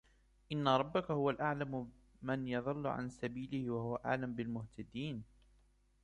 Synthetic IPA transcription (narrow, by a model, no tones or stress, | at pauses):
ʔɪnːaɾˤɑbːakahʊwalʔaʕlam | manjɑðˤɑlːʊ̰ʕa̰nsabiːlɪhɪwahʊwaʔa̰ʕlambɪlmʊht̪ʰad̪iːn